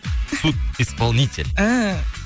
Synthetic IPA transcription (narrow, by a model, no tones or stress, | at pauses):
sut̪̚ispalˠnʲitʲɪ̰lʲa